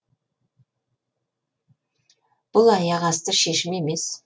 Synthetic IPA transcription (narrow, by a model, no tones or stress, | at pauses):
b̥ʊlˠɑjɑʁɑst̪əɾʃe̞ʃɪme̞me̞s